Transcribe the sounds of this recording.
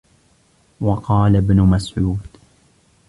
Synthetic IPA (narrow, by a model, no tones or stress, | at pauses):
wɑqɑːlabnʊmasʕuːd̪